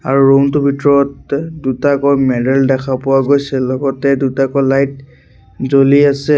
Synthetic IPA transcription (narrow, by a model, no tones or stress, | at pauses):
a̰ɹuɹontʊbʱitɔɹɔt̚dutakɔjmɛdɛldɛkʰapʊwaɡojsɛlɔɡɔtɛdutakɔlajt̚ | zoliasɛ